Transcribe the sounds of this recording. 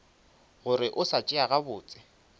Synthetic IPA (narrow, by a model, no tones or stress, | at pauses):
ɣʊɾɪʔʊsat͡ʃʼɪaɣabʊːt͡sʼɪ̥